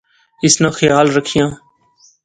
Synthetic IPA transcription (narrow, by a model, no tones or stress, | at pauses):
ɪsnãːxəjaːlɾəkʰɪjãː